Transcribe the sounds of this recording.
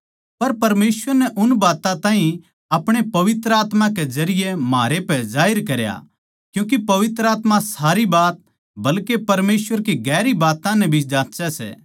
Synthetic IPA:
pɐɾpɐɾmeːsʋəɾnɛʔʊnbaːt̪ãt̪ãːɦĩ | ɐpɽ̃epɐʋɪt̪ɾəaːt̪mãked͡ʒɐɾɪjemaːɾepɛzaːɪɾkɐɾja̰ | kjũːk̬ipɐʋɪt̪ɾəaːt̪mãsaːɾibaːt̪̚ | bɐlkepɐɾmeːsʋəɾkiɡɛːɾibaːt̪ãnɛ̃bʱɪt͡ʃd͡ʒaːtːt͡ʃɛsɛ̰ː

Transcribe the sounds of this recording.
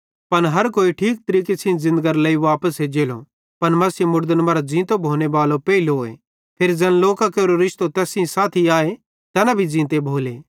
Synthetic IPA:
pɐnɦɐɾkoːiʈʰiːk̚t̪ɐɾiːk̬esɪ̃zɪ̃nd̪əɡəɾlɐiʋaːpəsɦed͡ʒeːlõ̰ | pɐnmɐsimʊɾd̪ənmɐːɾad͡zĩːt̪obʱoːñeʋaːlopɛːilɦoːḛ | pʰeːɾd͡ʒɛ̃nloːkakeːɾoɾɪʃt̪ot̪ɛːsɪ̃saːt̪ʰiaːe | t̪ɛːnabʱid͡ʒĩːt̪ebʱoːlḛː

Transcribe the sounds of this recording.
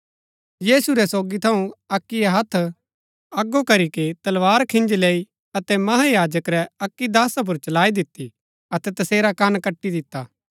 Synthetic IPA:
jiːsuɾɛsoːɡit̪ʰɐ̃ũɐkːijaɦɐt̪ʰː | ɐɡːokɐɾiket̪ɐlʋaːɾkʰɪ̃nd͡ʒleːi | ɐt̪ɛmɐɦajaːd͡ʒəkɾɛɐkːid̪aːsap̬ʊɾt͡ʃɐlaːid̪ɪt̪ːi | ɐt̪ɛt̪ɐseːɾakɐnkɐʈːid̪ɪt̪ːaː

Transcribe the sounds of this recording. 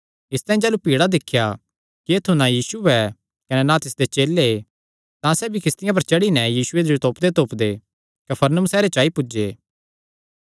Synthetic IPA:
ɪst̪ãːĩd͡ʒɛːlupiːɽad̪ɪkʰːja | kieːt̪ʰunãjiːsuɛ | kɐnɛnat̪ɪsd̪et͡ʃeːle | t̪ãsɛːbʱikɪst̪ɪjãp̬ɐɾt͡ʃɐɽinɛjiːsʊed͡ʒot̪oːpd̪et̪oːpd̪e | kɐpʰəɾnəusɛːɾet͡ʃaːipʊd͡ʒeː

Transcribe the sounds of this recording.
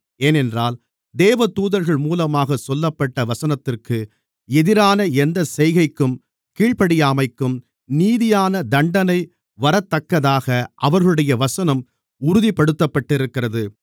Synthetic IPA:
eːnɛndraːl | d̪eːʋɐt̪uːðɐɾɣɐɭmuːlɐmaːɣɐsɔlːɐpːɐʈːɐʋɐsɐnɐt̪ːɪrkɯ | ɛðɪɾaːnɐɛnd̪ɐsɛjɣɐɪkːɯm | kiːɭpɐɽɪjaːmɐɪkːɯm | niːðɪjaːnɐd̪ɐɳɖɐnɐɪ | ʋɐɾɐt̪ːɐkːɐðaːɣɐʔɐʋɐɾɣɐɭɯɽɐjɐʋɐsɐnɐm | ʊɾʊðipːɐɽɯt̪ːɐpːɐʈːɪɾɯkːɪrɐðɯ

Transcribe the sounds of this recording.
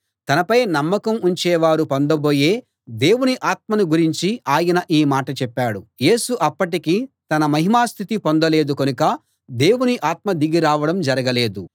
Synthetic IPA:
t̪ɐnɐpɐjnɐmːɐkɐmuɲt͡ʃɛːʋaːɾupond̪ɐbo̞ːje̞ː | d̪e̞ːwuniʔaːt̪̚mɐnuɡuɾiɲt͡ʃiaːjɐnɐʔiːmaːʈɐt͡ʃɛpːaːɽuje̞ːsuʔɐpːɐʈikit̪ɐnɐmɐɦimaːst̪ʰit̪ipond̪ɐle̞ːd̪ukɐnukɐ | d̪e̞ːwuniʔaːt̪̚mɐd̪iɡiɾaːʋɐɽɐmd͡ʒɐɾɐɡɐle̞ːd̪u

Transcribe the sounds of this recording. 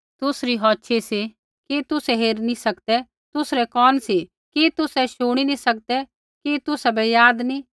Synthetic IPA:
t̪ʊsɾiɦɔːʃʰisi | kit̪ʊsɛɦeːɾnĩsɐkt̪ɛ | t̪ʊsɾɛkɔːnsi | kit̪ʊsɛʃuːɽ̃inĩsɐk̚t̪ɛ | kit̪ʊsɛbɛjaːd̪ni

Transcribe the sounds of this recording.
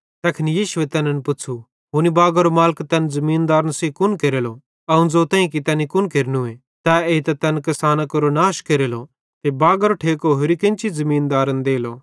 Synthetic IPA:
t̪ɐkʰɪnijiːʃʊet̪ɐnɐnpʊt͡ʃʰu | ɦʊnibaːɡɐɾomaːlkt̪ɐnzɐmiːnd̪aːɾənsekʊnkeɾeːlo | ɐũd͡zoːt̪ɐ̃ːĩk̬it̪ɛnikʊnkeɾnũe | t̪ɛeːt̪ɐt̪ɐnkɐsaːnakɐɾonaːʃkeɾeːlo | t̪ebaːɡɐɾoʈʰeːkoɦʊɾikɪ̃nt͡ʃizɐmiːnd̪aːɾənd̪eːlo

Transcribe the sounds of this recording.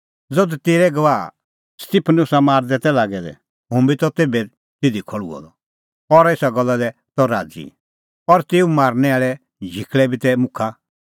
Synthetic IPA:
d͡zɔd̪t̪eːɾɛɡɐʋaːa̰ | st̪ipʰnʊsamaːɾd̪ɛt̪ɛlaːɡɛd̪ɛ̰ | ɦʊ̃mbit̪ɔt̪eːbɛ | t̪ɪd̪ikʰɔɽṵɔ̰d̪ɔ | ɔɾesaɡɔlːad̪ɛt̪ɔɾaːd͡zḭ | ɔɾt̪eːũmaːɾnɛaːɭɛ | d͡ʒʱɪkʰɭɛbit̪ɛmʊkʰa

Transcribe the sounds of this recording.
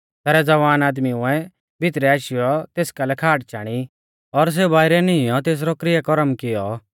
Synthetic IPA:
t̪ɛːɾɛd͡zɐʋaːnaːd̪miuʊ̃ɛ̃ | bʱɪt̪ɾɛaːʃɪjɔt̪eːskalɛkʰaːʈt͡ʃa̰ːɽ̃i | ɔɾs̬eːbaːɪɾɛnɪ̃jɔt̪eːs̬ɾɔkɾɪjakɔɾəmkɪjɔ

